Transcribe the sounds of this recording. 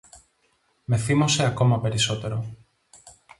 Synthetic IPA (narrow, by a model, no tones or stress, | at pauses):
meθimoseako̞mape̞ɾiso̞t̪e̞ɾo